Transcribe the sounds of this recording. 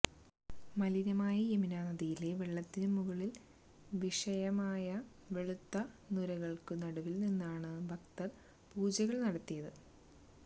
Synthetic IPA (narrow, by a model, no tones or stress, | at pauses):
mɐliɾɐmaːjɐeminaːnɐðijile̞ʋeɭːɐt̪ːinɨmuɣɐɭil | ʋiʂɐjɐmaːjɐ | ʋe̞ɭut̪ːɐnuɾɐɣɐɭkɨnɐɽɐʋilninːaːɳɨbʱɐkt̪ɐr | puːd͡ʑɐɣɐɭnɐɽɐt̪ːijɐðɨ